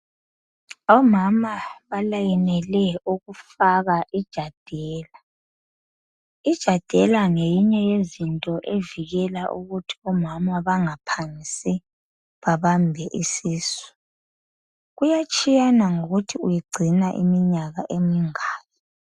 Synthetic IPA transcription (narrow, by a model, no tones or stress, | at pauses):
ɔmamaβalajinɛlɛuɣufaɣaʔid̥ʒ̥ʱad̥ʱɛːla | id̥ʒ̥ʱad̥ʱɛlaŋejiɲɛjezintʼɔʔeviɣɛlaʔuɣutʰi̥ɔmamaβaŋapʰanisʼi | βaβambʱɛʔisiːsi̥ | ɣujat͡ʃʼijanaŋoɣutʰiujiɡ͡ǀʱinaʔḭmiɲaɣaʔemiŋaːjɔ